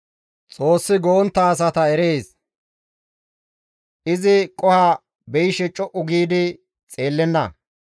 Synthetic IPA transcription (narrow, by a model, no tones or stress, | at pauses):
t͡sʼo̞ːsːɪɡoːnt̪ːɐːs̬ɐt̪ɐɛɾeːs | ʔɪzɪkʼɔha | bɛjɪʃɛt͡ʃʼːɔʔʊɡiːd̪ɪ | t͡sʼe̞ːlːɛnːɐ̰